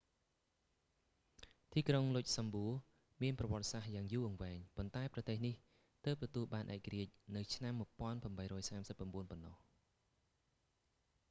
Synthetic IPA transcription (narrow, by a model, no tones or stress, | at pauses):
t̪iːkroŋlʊc̚sɑmbuə | miənprɑʋŏət̪̚sahjaːŋjuːʔəŋʋaɛŋpont̪aɛprɑt̪eːhnih | t̪əːp̚t̪ɔt̪uəlɓaːnʔaɛkːariəc̚nɨwt͡ɕʰnamːŭəpŏənpramɓəjɾɔːjsaːmsəpːramɓuənponːɑh